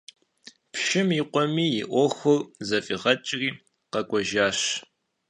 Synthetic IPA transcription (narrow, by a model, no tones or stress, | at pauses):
pʃɪmiqʷɔmiːjɪʔʷɔxʷʊrzɐfʼiʁɐt͡ʃʼɪriː | qɐkʷʼɔʒaːɕ